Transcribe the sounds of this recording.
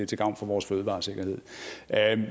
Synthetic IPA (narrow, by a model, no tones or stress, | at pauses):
et͡sʰeɡ̥ɑ̈ʊ̰nfɒ̽ʋɒːsføːð̞̩ˠʋɑ̈ːse̝ɡ̥ɐhe̝ð̰ˠ